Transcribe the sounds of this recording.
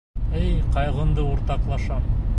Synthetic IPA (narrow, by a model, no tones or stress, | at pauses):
ɘjqɑjʁˠɤ̆nd̪ɤuɾt̪ɑqlˠɑʃɑm